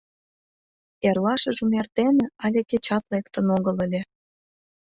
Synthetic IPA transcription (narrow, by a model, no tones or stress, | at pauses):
erlɑʃə̆ʒumert̪enĕɑlʲeket͡ɕɑt̪lekt̪ə̆noɣə̆ləlʲe